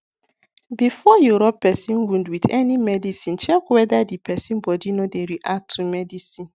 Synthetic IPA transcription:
bifɔjuɾɔpːɛsĩnwũndwidɛnimɛdisĩnt͡ʃɛkwɛdadipɛsĩnbɔdinodeɾiʔak̚tʰːumɛdisĩn

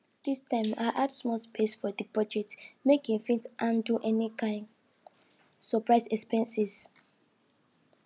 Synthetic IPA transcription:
d̥istãɪ̃maʔatsmɔspʰesfɔdipɔd͡ʒɛk̚tmekĩŋfĩntʔãnduʔɛnikʰãɪ̃n | sɔpɹaɪsɛkspɛ̃nsis

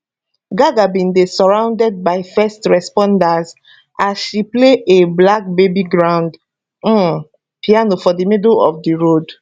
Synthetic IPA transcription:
ɡaɡabĩndesɔɹãʊ̃ndɛd̚baɪfɛstɹɛspɔ̃ndaz | ʔasʃipleʔeblak̚bebiɡɹãʊ̃nd̩ | pianofɔdimidlɔ̰fdiɹod

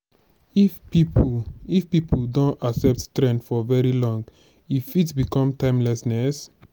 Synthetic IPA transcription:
i | ifpipʰuldõntaksɛp̚ttɹɛ̃ndfɔvɛɹilɔ̃ŋɡ | ifitsbikɔ̃mtãɪ̃mlɛsnɛs

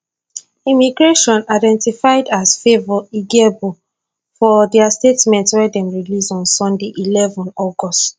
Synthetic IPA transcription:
imiɡɹeʃɔ̃naɪdɛ̃ntifaɪdasfevɔiɡebu | fɔdɛastetmɛ̃ntswɛdɛ̃mɹilisɔ̃nsɔ̃ndeʔilɛvɔ̃nɔɡɔst

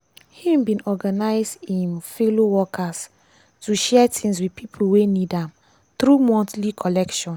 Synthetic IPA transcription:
hĩmbĩnɔɡanaɪzdĩnfelowɔkʰas | tuʃɛtʰĩŋswiðpʰipʰuwenidãm | θɾumɔ̃ntlikʰɔlɛkʃɔ̃n

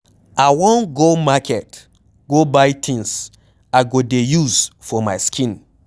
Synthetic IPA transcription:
awɔ̃nɡomakʰɛt | ɡobaɪtʰĩns | aɪɡodejuzfɔmaskʰĩn

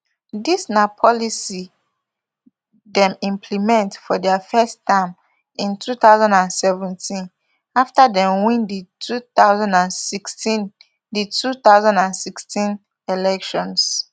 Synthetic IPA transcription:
disnapʰɔlisi | dɛ̃mĩmpʰlimɛ̃ntfɔdɛafɛstʰãɪm | ĩntʰuθaʊzãndãnsɛvɛ̃ntʰĩn | aftadɛ̃mwĩnditʰuθaʊzãndãnsikstĩn | ditʰuθaʊzãndãnsikstĩn | elɛkʃɔ̃ns

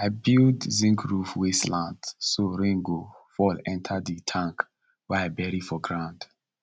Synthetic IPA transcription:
aɪbildzĩŋkʰɹufwislãndsoɹĩŋɡo | fɔlɛ̃ntʰaditʰãŋk | wɛaɪbɛɹifɔɡɹãʊ̃nd

